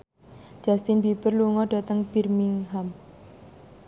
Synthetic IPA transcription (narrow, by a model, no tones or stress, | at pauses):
d͡ʒʒ̥ast̪inbibərluŋɔɖ̥a̤t̪əŋb̥irmiŋɦam